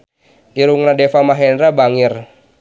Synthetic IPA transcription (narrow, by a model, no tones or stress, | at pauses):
ʔiɾuŋnadɛfamaɦɛnɾabaŋɪr